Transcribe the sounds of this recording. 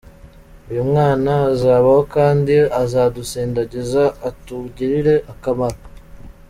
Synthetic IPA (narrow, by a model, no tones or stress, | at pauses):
ujumŋaːnazaːβaho̞kaːndiazaːdusiːndaɟezaːtuɟiɾiɾe̞ʔakamaɾo